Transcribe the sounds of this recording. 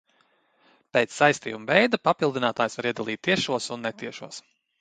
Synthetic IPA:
pɛːt̪sːajst̪ḭːjumvɛjd̪apapilˠd̪inaːt̪aːjsvaɾiɛd̪alˠiːt̪ːiɛʃuɔsunːɛt̪iɛʃuɔs

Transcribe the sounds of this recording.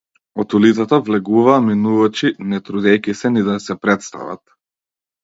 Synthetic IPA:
ɔt̪ulit̪sat̪avlɛɡuvaːminuvat͡ʃinɛt̪ɾud̪ɛjkisɛnid̪asɛpɾɛt̪st̪a̰va̰t̪̚

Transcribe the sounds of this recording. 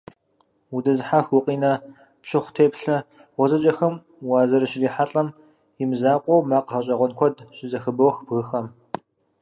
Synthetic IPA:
wudɐzħaxwʊqʼiːnɐ | pɕɪχʷtʰeːpɬɐ | ʁʷɔzɐt͡ʃʼɐxɐm | waːzɐɾɨɕɪɮiːħaɬʼɐm | jɪmɨzaːqʷʼɔwmaːqəʁɐɕʼɐʁʷɔnkʷʰɔdɕʼɪzɐxɨbɐwxbɣɨxɐm

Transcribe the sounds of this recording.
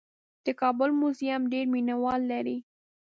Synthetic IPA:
d̪̥əkɑbʊlmʊzjamɖeɾminawɑlːaɾi

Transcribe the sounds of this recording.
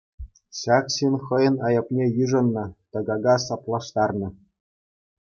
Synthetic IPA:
ɕɑkɕinχɤ̆jɤ̆nɑjɤ̆pnʲejyʐɤ̆nːɤ̆t̪ɤ̆ɡɑɡɑsɑplˠɑʂt̪ɑrnɤ̆

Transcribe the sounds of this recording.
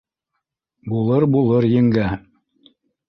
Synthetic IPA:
bulˠɤɾbulˠɤɾjɘ̆ŋɡæ

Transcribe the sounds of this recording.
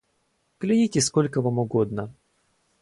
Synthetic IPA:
klʲɪnʲitʲɪskolʲkəvamʊɡod̪̚nə

